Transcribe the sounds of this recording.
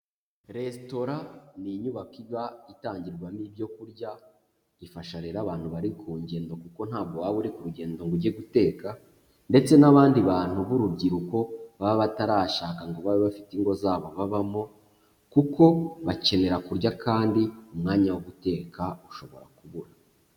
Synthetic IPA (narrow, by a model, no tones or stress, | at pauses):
ɾe̞sto̞ɾaniɲuβakiβaitaːɲɟiɾɡwanibjo̞kuɾɟa | ifaʃaɾeɾaβaːnhuβaɾikʰuːɲɟe̞ːndo̞kuko̞n̥aːbɡowaβuɾikuɾuɟe̞ːndo̞ŋɡuɾɟeɡute̞ːka | nde̞t͡se̞naβaːndiβaːn̥huβuɾubɟiɾuko̞βaβaβataɾaːʃakaŋɡoβaβeβafi̥tiŋɡo̞zaːβo̞βaβamo̞ | kuko̞βace̞ne̞ɾakuɾɟakʰaːndiumŋaːɲawuβute̞ːkʰauʃo̞βo̞̰ɾa̰kuβuɾa